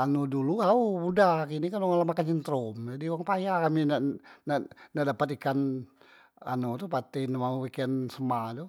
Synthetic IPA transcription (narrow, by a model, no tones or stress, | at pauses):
anuduluaumudakinikanoŋalamakaɲint̪ɾomd͡ʒadiuwaŋpajakaminananaʔdapat̪ikan | a̰not̪upat̪ɛnmauwikansəmadu